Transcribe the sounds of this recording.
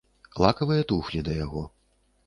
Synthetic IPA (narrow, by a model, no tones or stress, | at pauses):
lˠakɐvɨjɐt̪uxlʲid̪ɐjaɣɔ